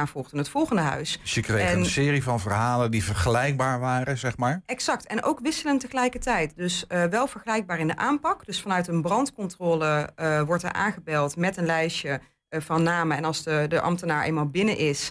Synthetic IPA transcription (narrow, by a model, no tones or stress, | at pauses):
aːvɔːɣdənətfɔlˠχəndəɦœ̰ɥssjəkrejənnsɪːrivɑnvərɦaːləndivəɹχəlɛjk̚baːɹʋaːɾəzɛχmaːɹɛksɑktɛnʔo̰wkʋɪsələntəχəlɛjkətɛjtdɵsʋɛlˠvəɹχəlɛjk̚baːɹɪndəʔaːmpɑkd̥ɵsfɑnœɥtənbrɑntkɔntrɔːləʋɔɹtɛ̰ɹʔa̰ːnχəbɛlˠtmɛtənlɛjʃə | vɑnːaːməɛnɑlˠsədəʔɑ̰mtənaːɹʔḛjnmaːlˠbɪnəʔɪs